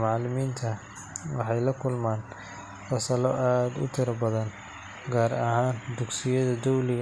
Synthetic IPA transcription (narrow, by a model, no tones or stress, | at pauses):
mɑʕlɪmiːnt̪ʰɐ | wɑħɑjlɐkʰʊlmaːn | fɐsɐlɔʔaːd̪ʊ̰t̪ʰɪɾɐbɐðɐn | ɡaːɾɐɦaːnd̪ʊɡsɪjɐðɐd̪ɔwlɪɣ